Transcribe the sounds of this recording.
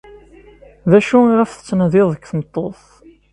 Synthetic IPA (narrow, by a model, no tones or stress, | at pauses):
ðæʃuʁəfθə̥t͡sːnðɪðˤəkθəmət̪ˤːoθ